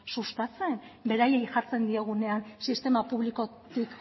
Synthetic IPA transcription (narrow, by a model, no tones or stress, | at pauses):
sust̪at͡se̞nbe̞ɾaje̞jʝaɾt͡se̞nd̪ieɣ̞une̞ansist̪e̞mapuβliko̞t̪ik